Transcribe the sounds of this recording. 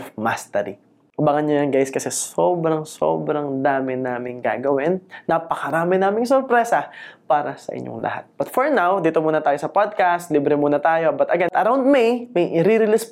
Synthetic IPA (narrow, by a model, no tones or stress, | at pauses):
fmast̪ɛɾḭ | ʔʊbɐŋɐnjojɐŋɡajskɐsɛsoːbɾɐŋso̰ːbɾɐŋd̪aːmɪnaːmɪŋɡa̰ːɡɐwɪnːɐpɐkɐɾaːmɪnaːmɪŋsɔɾpɾɛsɐpaːɾɐsɐ̰ʔɪ̰ɲʔo̰ŋlɐ̰ha̰t̪̚b̥ɐt̪fɔɹnawd̪iːt̪omuːnɐt̪aːjosɐpod̪̚kast̪liːbɾɛmuːnɐt̪aːjo̞bɐt̪ɐɡɛnʔɐɾawnd̪̚mijmɐjʔɪɾiɾɪlɪs